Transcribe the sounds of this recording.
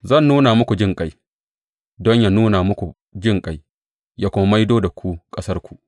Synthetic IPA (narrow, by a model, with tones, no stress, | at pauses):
zɐ˦˨nːuː˦na˨mʊ˦kʷu˨d͡ʒɪ˦ŋkʼa˦j | dɔ˦ɲja˨nuː˦na˨mʊ˦kʷu˨ | d͡ʒɪ˦ŋkʼa˨˦j | ja˦kʷʊ˦mɐ˦ma˦jdoː˦da˨kʷʰu˦kʼɐ˦sɐ˦rkʷu̥˨